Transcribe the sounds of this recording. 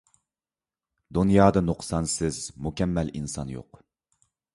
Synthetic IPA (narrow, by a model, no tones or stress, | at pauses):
d̪unjɑːd̪ɨnuqsɑnsɪzmukʲɛmːɛlinsɑnjo̰q